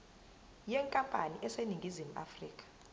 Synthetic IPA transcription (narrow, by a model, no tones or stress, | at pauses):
jɛŋkʼampʼaniʔɛseniŋɡʱizimuʔa̰friːkʼḁ